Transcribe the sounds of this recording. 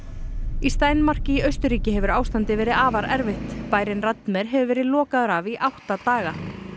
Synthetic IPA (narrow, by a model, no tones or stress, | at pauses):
ist̪aːjnmar̥cɪiœɥst̪ʏɾiːcɪɦɛvʏɾaːwst̪ant̪ɪvɛːɾɪðaːvaɾʔɛɾvɪht̪paːjɾɪnrat̪nmɛɾɦɛvʏɾvɛːɾɪðlɔːkaðʏɾaviʔawht̪at̪aːɣa